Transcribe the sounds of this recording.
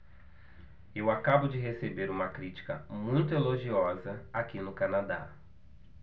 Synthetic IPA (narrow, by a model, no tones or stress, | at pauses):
ewakabʊd͡ʒɪɦesebeɾũmɐkɾit͡ʃi̥kɐ̰mũj̃t̪ʊeloʒiɔzɐakinʊkanad̪a̰